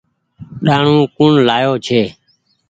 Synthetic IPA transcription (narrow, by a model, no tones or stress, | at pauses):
ɗaːɳũːkʊɳlaːjoːt͡ʃʰeː